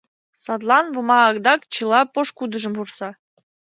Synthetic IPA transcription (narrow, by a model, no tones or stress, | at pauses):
sɑt̪lˠɑnvɤ̆mɑːkd̪ɑkt͡ɕɯlˠɑpoʃkud̪ə̆ʒə̆mvursɑ